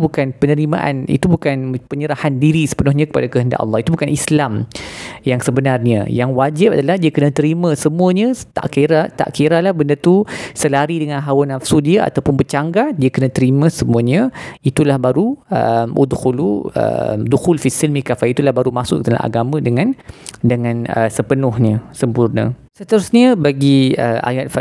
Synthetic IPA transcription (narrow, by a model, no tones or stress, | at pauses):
bukanpənə̃ɾima̰ʔa̰nḭt̪ubukanpəɲəɾahandiɾisə̥pənʊɦɲãkə̥padakəɦənda̰ʔɑ̰lːɑɦit̪ubukanislamjaŋsəbənarɲə̰̃jaŋwad͡ʒɪp̚a̰dalahdiakənãt̪əɾimə̃səmuəɲə̃t̪a̰ʔkiɾat̪a̰ʔkiɾalahbəndərt̪usəlaɾidəŋãnɦawanafsudiəa̰t̪awpʊnbət͡ʃaŋɡadiəkənə̃t̪əɾimə̃səmuəɲə̃it̪ulahbaɾuəmṵd̪xuluə̰mduxʊlfisilmikafait̪ulahbaɾumasʊət̪əla̰ʔa̰ɡamə̃dəŋãndəŋãnəsəpənʊhɲəsəmpurnə̰̃sət̪əɾusɲəbaɡiəʔa̰ŋat̪̚fa